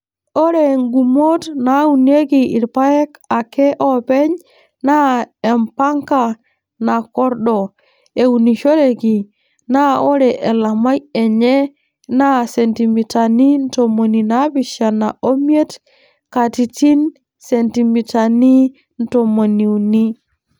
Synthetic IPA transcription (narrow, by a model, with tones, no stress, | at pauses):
o˦ɾe˨ŋɡu˨mo˦tna˨u˨ne˦ɡi˨i˨ɾpa˦je˦ka˨ke˦ʔo˦pe˦ɲ | na˦e˨mpa˦ŋka˨ | na˨ko˦ɾɗo˨ | e˨uni˨ʃo˦ɾe˨ɡi˨ | na˦o˦ɾɛ˨ʔe˨la˨ma˦je˨ɲe˦ | na˦se˨nti˨mi˨ta˨ni˦n˦to˨mo˨ni˨na˦bi˨ʃa˨na˨ʔo˦mi˦e˦t | ka˨ti˨ti˦n | se˨nti˨mi˨ta˨ni˦ | nto˨mo˨ni˨u˨ni˦